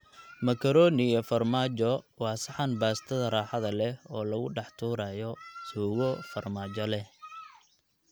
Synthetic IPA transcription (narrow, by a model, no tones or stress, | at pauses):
mɐkʰɐɾɔːnɪɐfɐrmaːt͡ʃɔwɑːsɑħɑnbaːst̪ʰɐðɐraːħɑðɐlɛɔːlɐɣʊɖɑħt̪ʰuːɾaːjɔsuːɣɔfɐrmaːt͡ʃɔlɛ